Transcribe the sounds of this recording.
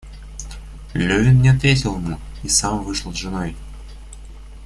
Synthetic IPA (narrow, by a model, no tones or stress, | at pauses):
lʲɵvʲɪnnʲɪɐt̪vʲetʲɪlˠmu | isamvɨʂlˠzʐɨnoj